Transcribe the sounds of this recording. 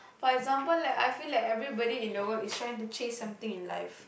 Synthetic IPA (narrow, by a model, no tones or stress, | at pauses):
fɔɾeɡzãːmpəlːaɪkaɪfiːlaɪkɛvɾibɔɾiɪ̃noɡəlɪsʈɾãɪɪ̃ŋʈut͡ʃẽːssʌ̃mt̪ĩŋɪ̃nla̰ɪf